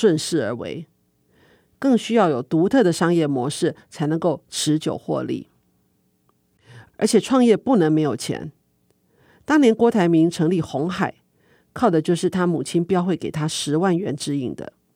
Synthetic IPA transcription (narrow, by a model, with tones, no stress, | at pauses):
ʂwə˥˧nʂɻ̩˥˩ə˞˧˥wḛ˧˥ɪ | kɤ˥˩ŋɕy˥jɑ˥˩ʊjo˨˩ʊt̪u˧˥t̪ʰɤ˥˩d̪ə˩ʂɑ˥ŋjɛ˥˩mwɔ˧˥ʂɻ̩˥˩t͡sʰa˧˥ɪnɤ˧˥ŋko˥˩ʊʈ͡ʂʰɻ̩˧˥t͡ɕjo̰˨˩ʊxwɔ̰˥˧lḭ˥˩ | ə˞˧˥t͡ɕʰjɛ˨˩ʈ͡ʂʰwɑ˥˧ŋjɛ˥˧pu˥˩nɤ˧˥ŋme˧˥ɪjo˨˩ʊt͡ɕʰjɛ̰˧˥n | t̪ɑ˥ŋnjɛ˧˥nkwɔ˧˥t̪ʰa˧˥ɪmi˧˥ŋʈ͡ʂʰɤ˧˥ŋli˥˩xʊ˧˥ŋxa˨˩˦ɪ | kʰɑ˥˩ʊd̪ə˩t͡ɕjo˥˧ʊʂɻ̩˥˩t̪ʰa˥mu˨˩t͡ɕʰi˥npjɑ˥ʊxwe˥˩ɪke˨˩ɪt̪ʰa˥ʂɻ̩˧˥wa˥˩nɥɛ˧˥nʈ͡ʂɻ̩˥i˥˩ŋd̪ə̰˦